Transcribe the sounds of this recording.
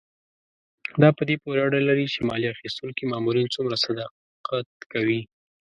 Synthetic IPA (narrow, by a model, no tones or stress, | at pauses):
d̪ɑpəd̪epoɾeaɖalaɾit͡ʃemɑliaxist̪ulkimɑmuɾint͡sumɾasad̪ɑ | qat̪kawi